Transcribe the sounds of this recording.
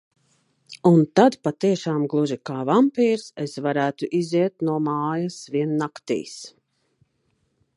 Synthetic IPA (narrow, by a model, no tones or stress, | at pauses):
unt̪ad̪pat̪iɛʃaːmɡlˠuʒikaːvampiːɾsesvaɾæːt̪uʔiziɛt̪nuɔmaːjasviɛnːakt̪ḭːs